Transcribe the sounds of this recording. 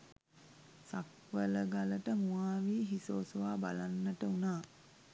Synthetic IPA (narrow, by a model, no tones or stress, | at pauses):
sak | ʋələɡaləʈəmuaːʋiːɦisoːsoʋaːba̰lanːəʈəunaː